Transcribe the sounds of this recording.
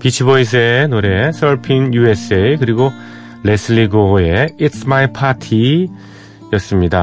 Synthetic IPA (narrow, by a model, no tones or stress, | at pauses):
pit͡ɕʰibʌisʰɯenoɾe̞sʰʌɭpʰinjue̞s͈eikɯɾiɡo | lesʰɯɭiɡoe̞itsmaipʰatʰi | jʌs͈ɯmɲida